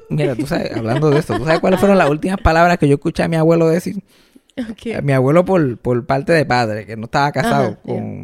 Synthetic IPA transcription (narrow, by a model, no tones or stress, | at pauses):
miɾat̪usaβḛsa̰βland̪oðeest̪ot̪usaβehkwalesfweɾo̞nlasult̪imaspalaβɾaskeʝoeskut͡ʃeamiaβwe̞loðesil | ka̰miaβwe̞lo̞p̬o̞ɾpoɾpaɾt̪e̞ðe̞paðɾe̞ke̞noest̪aβakasaðoko̰ŋ